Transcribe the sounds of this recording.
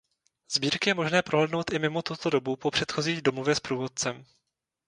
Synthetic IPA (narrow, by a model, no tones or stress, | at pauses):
z̥biːɾkɪjɛmo̞ʒnɛːpɾʔoɦlɛdno̞wt̪ʔɪmɪmo̞t̪ut̪o̞do̞bupo̞pr̝̥ɛt̪xo̞ziːɣdomovjɛspɾuːvo̞t̪̚t͡sɛm